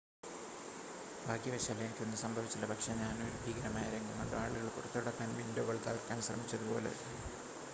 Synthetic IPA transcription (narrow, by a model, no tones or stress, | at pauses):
bʱaːkjɐbɐʂalːɐenikʲːonːɨsɐmbʱɐʋit͡ɕːilːɐbʱɐkʂeɲaːnɨoɾubʱiːɡɐɾɐmaːjɐɾeŋɡumːɐ̰ɳɖɨaːɭuɣɐɭkurɐt̪ːɐɽɐkːaːnʋindoɣɐɭt̪ɐ̰ːɭkʲːaːnɕrɐ̰mit͡ɕːɐðupo̞̰ːle̞̰